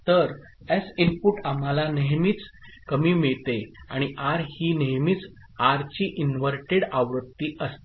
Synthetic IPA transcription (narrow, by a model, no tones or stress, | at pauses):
t̪əɾ | esimpuʈam̤alaneɦmiːt͡skəmiːmiɭt̪eaɽ̃iʔaɾhiːneɦmiːt͡s | aɾt͡ɕiːʔinʋəɾʈeɽaʋɾət̪ːiːʔəst̪e